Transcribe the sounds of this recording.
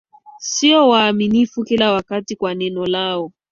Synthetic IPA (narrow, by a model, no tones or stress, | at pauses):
siɔwaːminifukilawakatikwanɛnɔlaɔ